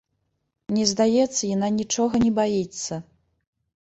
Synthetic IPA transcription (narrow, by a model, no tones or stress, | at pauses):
nʲɛzd̪ajɛt̪sːɐjananʲit͡ʂɔɣɐnʲɛbait̪sːɐ